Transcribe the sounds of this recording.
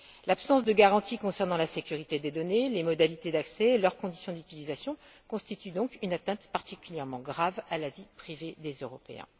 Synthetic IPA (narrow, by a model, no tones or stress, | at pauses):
lapsɑ̃s̬d̪əɡaʁɑ̃t̪ikɔ̃sɛʁnɑ̃lasekʲyʁit̪ed̪ed̪ɔnelemɔd̪alit̪ed̪aksɛlœʁkɔ̃d̪isjɔ̃d̪yt̪ilizasjɔ̃ | kɔ̃st̪it̪yd̪ɔ̃kynat̪ɛ̃t̪paʁt̪ikʲyljɛʁmɑ̃ɡʁavalavipχived̪ezøʁɔpḛɛ̰̃